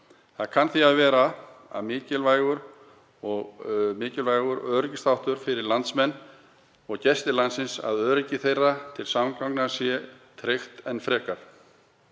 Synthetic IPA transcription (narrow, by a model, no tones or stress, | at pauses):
θaðkʰanθiaðvɛːɾaa̰ðmɪːcɪlvaːjɣʏɾ | ɔɣmɪːcɪlvajɣʏɾœːɾɪcɪst̪awht̪ʏɾfɪɾɪɾlant̪smɛnː | ɔɣcɛst̪ɪlant̪sɪnsa̰ðœːɾɪcɪθejrːat̪ʰɪlsamkawknasjɛ | t̪ʰɾext̪ɛnːfɾɛːkaɾ̥